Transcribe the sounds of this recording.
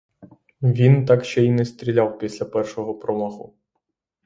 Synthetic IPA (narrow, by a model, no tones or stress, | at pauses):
ʋʲint̪ɑkʃt͡ʃɛinɛst̪ʲɾʲilʲɑwpʲisʲlʲɐpɛrʃɔɦɔpɾɔmɔɦʊ̰